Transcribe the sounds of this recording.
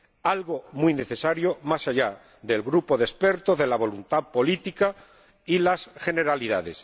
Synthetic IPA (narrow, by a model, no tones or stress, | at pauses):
alɣo̞muijne̞θe̞saɾjo̞masaʎa | ðe̞lɣɾupo̞ðespe̞ɾt̪ozðe̞laβ̞o̞lunt̪aðpo̞lit̪ika | ilasxe̞ne̞ɾaliða̰ðe̞s